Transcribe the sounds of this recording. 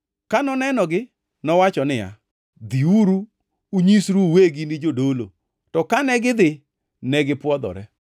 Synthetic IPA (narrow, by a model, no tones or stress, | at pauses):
kanɔnɛnɔɡɪ | nɔwat͡ʃɔnɪja̰ | d̪iuɾu | uɲisɾuweɡinɪd͡ʒodolo̰ | tɔkanɛɡɪd̪ɪ | nɛɡɪpwɔd̪ɔ̰ɾɛ